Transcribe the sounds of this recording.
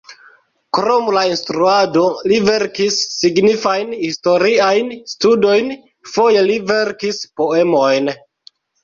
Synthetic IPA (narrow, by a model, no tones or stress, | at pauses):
kɾomlainstɾuado̞live̞ɾkisːiɡnifajnhisto̞ɾiajnstudo̞jn | fo̞je̞live̞ɾkispo̞e̞mo̞jn